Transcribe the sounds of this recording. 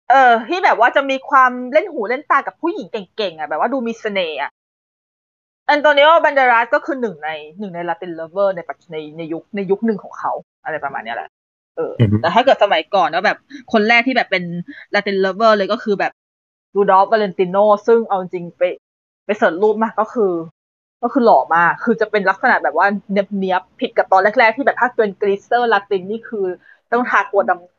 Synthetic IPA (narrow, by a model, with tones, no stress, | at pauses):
ʔɤː˧t̪ʰiː˥˩bɛː˨˩p̚waː˥˩t͡ɕa˨˩miː˧kʰwaː˧mle˥˩nhuː˩˦le˥˩nt̪aː˧ŋka˨˩pʰu˥˩ji˨˩˦ŋke˨˩ŋke˨˩ŋʔa˨˩bɛː˨˩p̚waː˥˩duː˧miː˧sa˧neː˧ʔa̰˨˩ʔ | ʔa˧nt̪ɔː˧nːi˦˥wa˥˩ba˧ndaː˧ɾa˦˥kɔː˥˩kʰɯː˧nɯ˨˩ŋna˧jnɯ˨˩ŋna˧jlaː˧t̪i˧nlɤː˧˥bɤː˥˩na˧jpa˨˩na˧jna˧jːu˦˥k̚na˧jːu˦˥k̚nɯ˨˩ŋkʰɔː˩˦ŋkʰa˦˥wʔa˧ɾa˧jpɾa˧ma̰ː˧nːi˦˥˩lɛ̰˨˩ʔ | ʔɤː˧˩t̪ɛː˨˩aː˥˩kɤ˨˩t̪̚sa˧ma˨˩˦jkɔː˨˩nɔː˦˥˩bɛː˨˩p̚kʰo˧nlɛː˥˩k̪̚ʰiː˥˩bɛː˨˩pːe˧nlaː˧˦˥t̪i˧nlɤː˧˩bɤː˥˩lɤː˧jkɔː˥˩kʰɯː˧bɛː˨˩p̚ | juː˧dɔː˦˥p̚ʔaː˧le˧nt̪i˧noː˥˩sɯ˥˩ŋʔa˧wt͡ɕi˨˧ŋt͡ɕi˧ŋpa˧j | pa˧jsɤː˨˩t̪̚luː˥˩p̚maː˥˩kkɔː˥˩kʰɯː˧ | kɔː˥˩kʰɯː˧lɔː˨˩maː˧kʰɯː˧t͡ɕa˨˩pe˧nla˦˥k̚sa˧na˨˩bɛː˨˩p̚waː˥˩ne˦˥p̚ni˦˥əppʰːi˨˩ka˨˩t̪ɔː˧nle˦˥˩k̚lɛː˥˩t̪ʰiː˥˩ɛ˨˩pʰa˥˩k̪̚i˧ənkɾi˦˥st̪ɤː˥˩la˦˥k̚t̪i˧nːiː˥˩kʰɯː˧ | t̪ɔ˥˩ŋt̪ʰaː˧˩k̚ːu˨˩əda˧ŋ